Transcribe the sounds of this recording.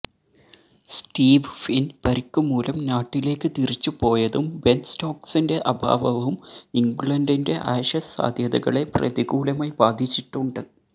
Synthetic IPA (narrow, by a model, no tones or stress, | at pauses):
sʈiːʋfinpɐɾikːumːuːlɐmnaːʈːile̞ːkːɨt̪irit͡ɕːupo̞ːjɐðumbensto̞ːksinde̞ʔɐbʱa̰ːʋɐʋɐumiŋɡɭɐndinde̞ʔɐjɕɐsa̰ːd̪ʱjɐðɐɣɐ̰ɭe̞prɐ̰ðiɣuːlɐmɐjbaːd̪ʱit͡ɕːiʈːuɳɖɨ